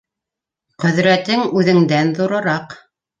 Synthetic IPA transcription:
qɵ̆ðɾæt̪ɘŋʉðɘ̆ŋd̪ænðuɾɤ̆ɾɑq

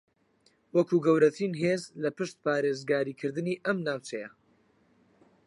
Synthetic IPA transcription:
wɐkuːɡɐwɾɐt̪ʰinɦezlɐpɨʃt̪̚paːɾeːzɡaːɾiːkʰɨɾd̪ɨniːʔɐmnaːwt͡ʃʰɐjɐ

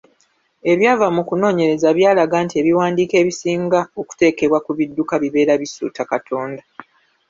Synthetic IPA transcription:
e̞βjaːvamukuno̞ːɲe̞ɾe̞zaβjaːlaɡaːntie̞βiwaːndiːke̞ːβisiːŋɡaoku̥te̞ːke̞βwakuβidːukaβiβe̞ːɾaβisṵːtakatʰo̞ːnda

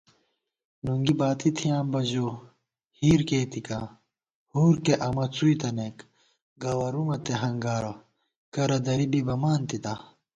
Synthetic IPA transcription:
nuŋɡibaːt̪it̪ʰijaːmbɐʑo | hiːɾkeːt̪ikaː | huːɾkeʔɐmɐt͡suit̪ɐnek | ɡɐwɐɾumɐt̪eɦɐŋɡaːɾɐ | kɐɾɐd̪ɐɾibibɐmaːnt̪it̪a

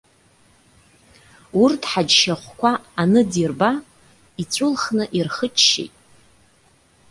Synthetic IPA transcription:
urtʰħad͡ʒʃaχʷkʷʰaːnɨdirba | it͡ɕʷʼʊlχnɨʔirχət͡ʃʰʃḛjtʼ

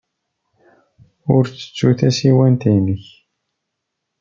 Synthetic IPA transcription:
ʊɾt͡sːə̥t͡sːuθæsiwænt̪ijnəç

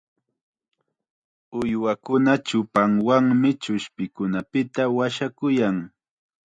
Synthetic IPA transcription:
ʊjwakʊnat͡ʃʊpaŋwaŋmɪt͡ʃʊʃpɪkʊnapɪt̪awaʃakʊjaŋ

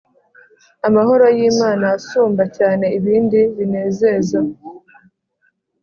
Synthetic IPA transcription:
amaɦo̞ɾo̞jiːmaːnaːsuːmbacaːne̞iβiːndiβine̞ːze̞za

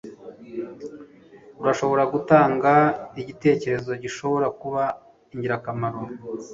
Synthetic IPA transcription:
uɾaʃo̞βo̞ɾaɡutaːŋɡaiɟite̞ːce̞ɾe̞zo̞ɟiʃo̞βo̞ɾakuβa | iɲɟiɾakamaɾo

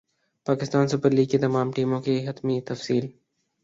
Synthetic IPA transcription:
paːkɪst̪aːnsʊpəɾliːɡket̪ɐmaːmʈiːmõkeɦɐt̪mit̪ɐfsiːl

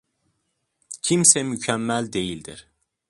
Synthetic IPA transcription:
cʰimsɛmycʰæmːælʲd̪e̞jilʲd̪iɾ̥

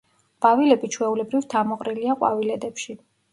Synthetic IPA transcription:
b̥avilɛbit͡ʃʰwɛulɛbɾivt̪ʰamɔqʼɾiliaqʼwa̰vilɛd̪ɛpʃi

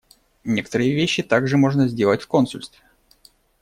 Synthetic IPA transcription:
nʲe̞kə̥t̪əɾɨjəvʲeɕːɪt̪aɡʐɨmo̞ʐnəzʲdʲe̞lˠətʲfko̞nsʊ̰lʲst̪vʲɪ

